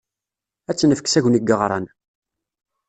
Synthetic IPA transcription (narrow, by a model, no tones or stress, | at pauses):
æt͡sːnəfəksæʝniɡəʁɾˤɑ̰n